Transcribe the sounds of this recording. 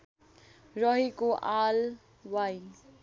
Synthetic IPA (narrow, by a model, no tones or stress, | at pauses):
rʌɦikoʔal | waj